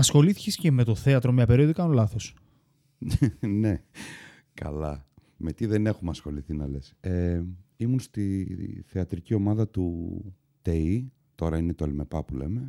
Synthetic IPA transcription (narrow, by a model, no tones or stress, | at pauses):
ɐsxo̞liθi̥cesceme̞t̪o̞θeɐt̪ɾomɲɐpe̞ɾioðikɐnolɐθo̞s | ne̞ | kɐ̰lɐ | me̞t̪iðene̞xumɐsxo̞liθinɐle̞seimunst̪iθeɐt̪ɾicio̞mɐðɐt̪u | t̪ei | t̪o̞ɾɐinet̪oelme̞pɐpule̞̰me̞